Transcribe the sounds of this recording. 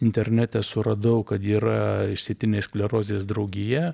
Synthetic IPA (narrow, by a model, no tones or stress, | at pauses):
ɪnʲt̪ʲɛrʲnʲæt̪ʲɛsʊɾɐd̪ɐʊkɐt̪iːɾɐɪʃʲsʲet̪ʲɪnʲeːsklʲɛɾoːzʲeːsd̪ɾɐʊɡʲɪjɛ